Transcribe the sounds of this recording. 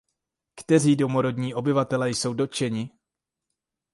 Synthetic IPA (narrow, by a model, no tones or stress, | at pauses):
kt̪ɛr̝iːdo̞mo̞ɾo̞dɲiːʔo̞bɪvat̪ɛlɛjso̞wdo̞t͡ʃɛɲɪ